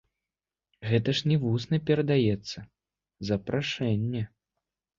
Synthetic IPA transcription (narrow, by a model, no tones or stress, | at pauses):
ɣɛt̪ɐʂnʲɛvusnɐpʲɛɾɐd̪ajɛt̪sːɐ | zɐpɾʔaʂɛnʲːɛ